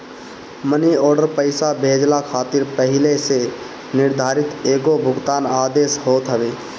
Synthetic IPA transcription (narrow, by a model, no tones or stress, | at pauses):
məniɔːɾɖəɾpəɪsabʱeːd͡ʒlakʰaːt̪ɪɾpəɦɪlese | nɪɾd̪ʱaːɾɪt̪eːɡobʱʊɡt̪aːnaːd̪eːsɦoːt̪ɦəʋeː